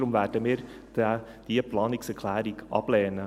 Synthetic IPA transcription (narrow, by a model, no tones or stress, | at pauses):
ɾʊmʋæːʈəmeːɾ | d̪̥ɛ | d̥̪iːəpʰlɑːnɪksɛkʰlæːɾɪɡʔɑ̰bleːənə